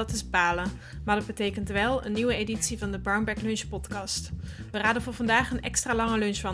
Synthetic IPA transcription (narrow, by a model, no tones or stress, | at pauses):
ɑtɪzbaːlə | maːɹdɑd̚bətejkəntʋɛlˠə̰nːiʋəejditsivɑndəbɑɹnbɛklɵnʃpɔtkɑstʋəraːdənvʊːɹvɑndaːχənɛ̰kstraːlɑŋəlɵnʃfɑ